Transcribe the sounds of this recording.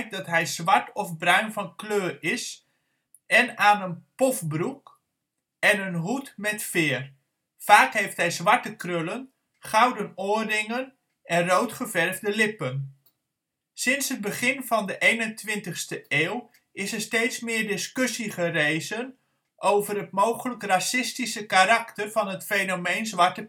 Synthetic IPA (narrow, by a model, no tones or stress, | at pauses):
k̚dɑtɦɛjz̥ʋɑɹtʰɔfbrœɥnvɑnkløːrɪs | ʔɛnaːnənpɔfbruk | ɛnənɦutmɛtfɪːr | faːkɦejftɦɛjzʋɑɹtəkrølən | χawdənoːrɪŋən | ʔɛnrowtχəvɛrvdəlɪpən | sɪnsəd̚bəχɪnvɑndəʔejnəntʋɪntəχstəeːw | ɪsəɹstejtsmɪːɹdɪskʏsiχərejzən | ʔowvərɦətmowχələkrasɪstisəkaɾaktərvɑnɦətfejnomejnzʋɑɹtə